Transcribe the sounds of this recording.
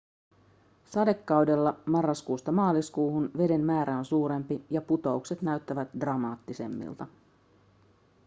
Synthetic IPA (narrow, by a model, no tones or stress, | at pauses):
sɑde̞kːɑwde̞lːɑmɑrːɑskuːst̪ɑmɑːliskuːhunʋe̞de̞nmæːɾæo̞nsuːɾe̞mpijɑput̪o̞ukse̞t̪næɥt̪ːæʋæt̪drɑmɑːt̪ːise̞̰mːḭlt̪ɑ